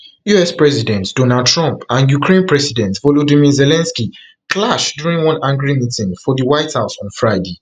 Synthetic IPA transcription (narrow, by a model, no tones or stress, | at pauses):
juɛspɹɛzidɛ̃ntd̥onad̚tʰɹɔ̃mpãnjukɹẽnpɹɛsidɛ̃ntvolodĩmizɛlɛ̃nski | kʰlaʃdjuɹĩnwɔ̃nãŋɡɹimitĩŋfɔðiwaɪthaʊsɔ̃nfɹaɪde